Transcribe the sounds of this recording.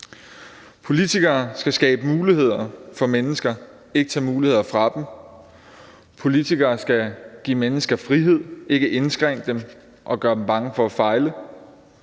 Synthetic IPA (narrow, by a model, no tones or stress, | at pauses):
pʰo̝lit͡sʰiɡ̥ɐːsɡ̥æsɡ̥ɛ̰ːb̥əmuːlihe̝ð̞̰ˠɐfɒ̽menəsɡ̥ɐ | e̝ɡ̥ət͡sʰɛ̰ːmuːlihe̝ð̞̰ˠɐfʁɑ̈d̥em | pʰo̝lit͡sʰiɡ̥ɐːsɡ̥æɡ̥ḭːmenəsɡ̥ɐfʁiɦe̝ð̰ˠe̝ɡ̥əʔe̝nsɡ̥ʁeŋ̰əd̥em | ʔɒ̽ɡ̥ɶːɐd̥em̩b̥ɑ̈ŋəfɒ̽æfɑ̈ɪlə